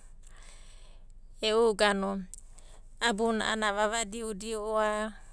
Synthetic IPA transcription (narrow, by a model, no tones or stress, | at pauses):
ɛuɡanɔ | abunaʔa̰naβaβadiudiɔːa